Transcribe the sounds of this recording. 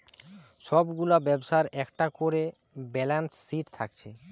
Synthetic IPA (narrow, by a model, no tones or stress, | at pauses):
ʃɔbɡulabɛbʃaɾɛkʈakoɾe | bɛlansːiʈt̪ʰakt͡ɕʰe